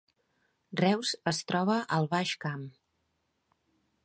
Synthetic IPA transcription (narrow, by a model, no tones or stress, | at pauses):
rɛwzəst̪ɾɔβ̞əʔəlˠβaʃkam